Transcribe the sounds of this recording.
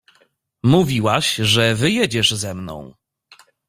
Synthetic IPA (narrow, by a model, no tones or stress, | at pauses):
muvʲiwaɕʐɛvɘjɛd͡ʑɛʐzɛmnɔ̰̃w̃